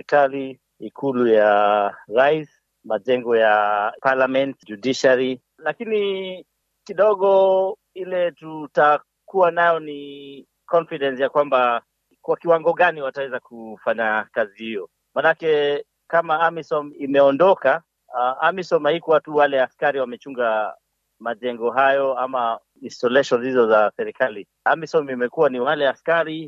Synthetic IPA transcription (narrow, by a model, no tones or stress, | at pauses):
ɾikali | ikʰulujaɾais | maʄɛŋɡɔjapalamɛntd͡ʒudiʃali | lakini | kiɗɔɠɔ | ilɛtuta | kuanajɔni | kɔnfiɗɛnsjakwamba | kwakiwaŋɡɔɠaniwatawɛzakufaɲakazihijɔ | maːnakɛ | kamaamisɔmimɛɔndɔka | amisɔmahikuwatuwalɛaskaɾiwamɛt͡ʃuŋɡa | maʄɛŋɡɔɦajɔama | instɔlɛʃɔnzizɔzasɛɾɛkali | amisɔmimɛkuwaniwalɛaskaɾi